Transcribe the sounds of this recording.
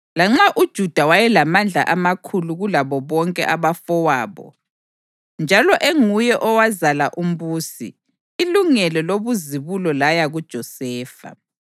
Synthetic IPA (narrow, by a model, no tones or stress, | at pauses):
laŋ͡ǁaʔud̥ʒ̥ʱud̥ʱawajɛlamand͡ɮʱa̰ʔamakʰuluɣulaβɔβɔŋkʼɛ̰ʔaβafɔwaːβɔ̰ | nd͡ʒʱalɔʔeŋujɛʔɔwazalaʔum̩βuːsḭː | luŋɛlɔloβuziβulɔlajaɣud̥ʒ̥ʱɔsɛːfa̰